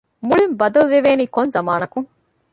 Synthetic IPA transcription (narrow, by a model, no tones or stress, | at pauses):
muɭimbɐd̪ɐlʋeʋeːniːkonzɐmaːnɐkuŋ